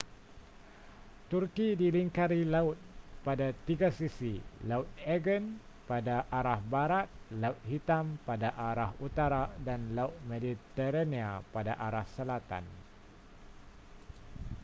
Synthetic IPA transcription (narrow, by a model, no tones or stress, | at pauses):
t̪urkidiliŋkaɾilaʊt̪̚padat̪iɡasisilaut̪̚ɛɡən | padaʔaɾahbaɾat̪̚laut̪̚ɦit̪ampadaʔaɾahut̪aɾadanlaut̪̚medit̪əɾaniapadaʔaɾahsəlat̪a̰n